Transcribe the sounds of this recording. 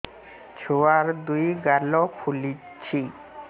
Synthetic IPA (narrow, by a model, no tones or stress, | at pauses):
t͡ɕʰoaɾd̪ujɡalɔpʰuli | t͡ɕʰi